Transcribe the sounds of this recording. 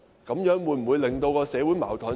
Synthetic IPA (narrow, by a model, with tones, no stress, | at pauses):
kɐ˨˧˥mjœː˨˥ŋwuː˨˧jm̩˨˩u˨˧jlɪ˨˩ŋt̪o˧wkɔː˧sɛː˨˧wu˨˥jma̰ː˨˩wt̪ʰə˨˥